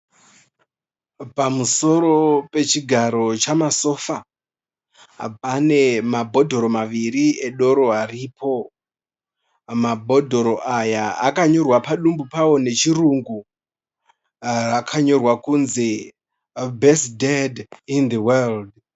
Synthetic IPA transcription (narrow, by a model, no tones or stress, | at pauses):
pamuso̞ɾo̞pe̞t͡ʃiɡʱaɾo̞t͡ʃamaso̞fa | pane̞mabʱo̞dʱo̞ɾo̞maʋirieɗo̞ɾo̞ariːpʰo̞ | mabʱo̞dʱo̞ɾo̞ʔajaakaɲo̞rwapaɗumbupawo̞ne̞t͡ʃiruŋɡu | rakʰaɲo̞rwakunze̞ | bʱesdedind̪iweld